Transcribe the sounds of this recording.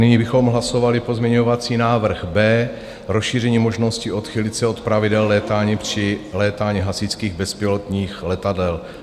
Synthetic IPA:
nɪɲibɪxo̞mɦlaso̞valɪpozmɲɛɲo̞vat͡siːnaːvr̩xbɛː | ɾosʃiːrɛɲiːmo̞ʒno̞scɪʔo̞t̪xɪlɪt̪t͡sɛo̞t̪pɾavɪdɛlːɛːt̪aːɲipr̥ɪlɛːt̪aːɲiɦasɪt͡skiːɣbɛspɪlot̪ɲiːxlɛt̪adɛl

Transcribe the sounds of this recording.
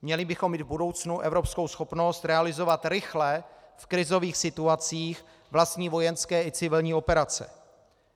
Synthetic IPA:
mɲɛlɪbɪxomːiːd̪vbudo̞wt͡snuʔɛvɾo̞psko̞wsxo̞pno̞st̪ɾɛalɪzo̞vat̪ɾɪxlɛfkɾɪzo̞viːxsɪt̪uat͡siːx | vlast̪ɲiːvo̞jɛnskɛːɪt͡sɪvɪlɲiːo̞pɛɾat͡sɛ̰

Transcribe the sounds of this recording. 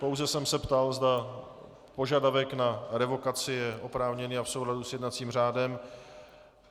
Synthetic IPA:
powzɛsɛmsɛpt̪alzda | po̞ʒadavɛknaɾɛvo̞kat͡sɪjɛʔo̞pɾaːvɲɛniːafsowladusjɛdnat͡siːmr̝aːdɛm

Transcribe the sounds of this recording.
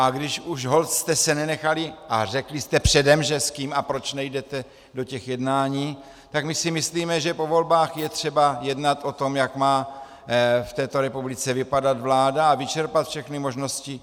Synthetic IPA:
ʔaɡdɪʃuʃɦo̞lt̪st̪ɛsɛnɛnɛxalɪʔar̝ɛklɪst̪ɛpr̝̥ɛdɛmʒɛskiːmapɾo̞t͡ʃnɛjdɛt̪ɛ | do̞cɛxjɛdnaːɲiː | t̪akmɪsɪmɪsliːmɛʒɛpo̞vo̞lbaːxjɛt̪r̥ɛbajɛdnat̪ʔo̞t̪o̞mjakmaː | ft̪ɛːt̪o̞ɾɛpublɪt͡sɛvɪpadat̪vlaːdaːvɪt͡ʃɛɾpat̪fʃɛxnɪmo̞ʒno̞scɪ

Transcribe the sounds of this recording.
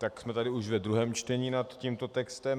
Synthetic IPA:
t̪aksmɛt̪adɪuʃvɛd̪ɾuɦɛːmt͡ʃt̪ɛɲiːnat̪ciːmt̪o̞t̪ɛkst̪ɛm

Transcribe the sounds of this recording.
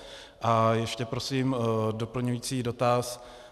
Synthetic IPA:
ʔajɛʃcɛpɾo̞siːmdo̞pl̩ɲujiːt͡siːdo̞t̪as

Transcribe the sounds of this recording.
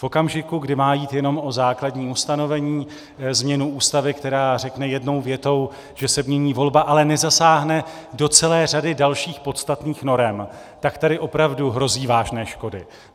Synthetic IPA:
fʔo̞kamʒɪkuɡdɪmaːjiːt̪jɛno̞mo̞zaːkladɲiːust̪ano̞vɛɲiː | zmɲɛnuʔuːst̪avɪkt̪ɛɾaːrɛknɛjɛdno̞wvjɛt̪o̞w | ʒ̥ɛsɛmɲɛɲiːvo̞lbaʔalɛnɛzasaːɦnɛ | do̞t͡sɛlɛːr̝adɪdalʃiːxpo̞t̪st̪at̪niːxno̞ɾɛm | t̪akt̪adɪʔo̞pɾavduɦɾo̞ziːvaːʒnɛːʃko̞dɪ

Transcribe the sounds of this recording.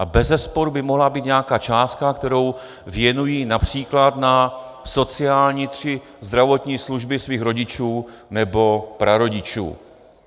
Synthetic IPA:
ʔabɛzɛspoɾubɪmoɦlabiːt̪ɲɛakaːt͡ʃaːst̪̚kakt̪ɛɾo̞w | vjɛnujiːnapr̝̥iːklat̪na | so̞t͡sɪaːlɲiːt̪r̝̥ɪ | zd̪ɾavo̞t̪ɲiːsluʒbɪsviːxɾo̞ɟɪt͡ʃuːnɛbo̞pɾʔaɾo̞ɟɪt͡ʃṵː

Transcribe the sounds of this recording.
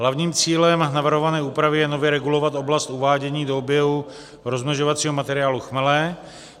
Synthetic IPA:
ɦlavɲiːmt͡siːlɛmnavr̩ɦovanɛːuːpɾavɪjɛno̞vjɛɾɛɡulo̞vat̪ʔo̞blast̪uvaːɟɛɲiːdoobjɛɦu | ɾo̞zmɛʒovat͡siːɦo̞mat̪ɛɾɪjaːluxmɛlɛː

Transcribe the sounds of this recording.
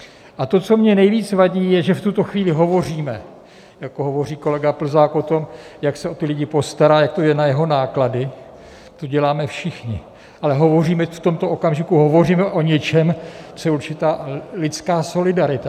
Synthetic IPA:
ʔat̪o̞t͡so̞mɲɛnɛjviːt͡svaɟiːjɛʒɛft̪ut̪o̞xviːlɪɦo̞vo̞r̝iːmɛ | jakoɦovo̞riːko̞lɛɡapl̩zaːko̞t̪o̞mjaksɛo̞t̪ɪlɪɟɪpo̞st̪aɾaːjak̚t̪o̞jɛnajɛɦo̞naːkladɪ | t̪oɟɛlaːmɛfʃɪxɲɪ̰ | ʔalɛɦo̞vo̞riːmɛft̪o̞mt̪oʔokamʒɪkuɦo̞vo̞riːmɛʔoɲɛt͡ʃɛmt͡sojɛuɾt͡ʃɪt̪aːlɪt͡skaːso̞lɪdaɾɪt̪a

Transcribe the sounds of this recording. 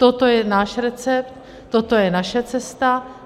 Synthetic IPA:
t̪ot̪ojɛnaːʃɾɛt͡sɛpt̪ː | ot̪o̞jɛnaʃɛt͡sɛst̪a

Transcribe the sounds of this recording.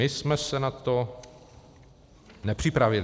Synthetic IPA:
ɪsmɛsɛnat̪o | nɛpr̝̥ɪpɾavɪl

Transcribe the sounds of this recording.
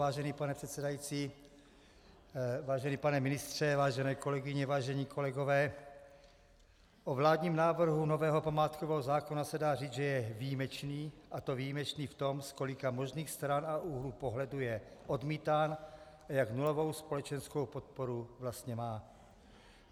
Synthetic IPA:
aːʒɛniːpanɛpr̥ɛt̪sɛdajit͡siː | vaːʒɛniːpanɛmɪnɪst̪r̝̥ɛvaːʒɛnɛːko̞lɛɡɪɲɛvaːʒɛɲiːkʰo̞lɛɡovɛː | ʔovlaːd̪ɲiːmnaːvr̩ɦuno̞vɛːɦo̞pamaːt̪kovɛɦozaːkonasɛdaːriːt͡sʒɛjɛvijimɛt͡ʃniːʔat̪o̞vijimɛt͡ʃniːft̪o̞mskolɪkamo̞ʒniːxst̪ɾanaʔuɦluːpoɦlɛdujɛʔo̞dmiːt̪aːn | ʔajaknulovo̞wspo̞lɛt͡ʃɛnskowpot̪̚poɾuvlast̪ɲɛmaː

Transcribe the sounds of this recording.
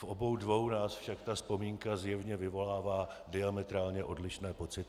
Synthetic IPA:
fʔo̞bo̞wdvo̞wnaːsfʃakt̪aspo̞miːŋkazjɛvɲɛvɪvo̞laːvaː | dɪamɛt̪ɾaːlɲɛʔo̞dlɪʃnɛːpo̞t͡sɪt̪ɪ

